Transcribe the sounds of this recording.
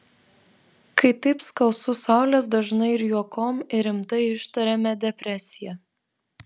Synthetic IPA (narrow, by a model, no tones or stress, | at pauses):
kɐɪt̪ɐɪpskɐʊsʊsɑˑʊlʲɛs̬d̪ɐʒnɐɪɪɾjuɔkoːmɪɾʲɪmt̪ɐɪɪʃt̪ɐɾʲɛmʲɛd̪ʲɛpʲɾʲɛsʲɪjɛ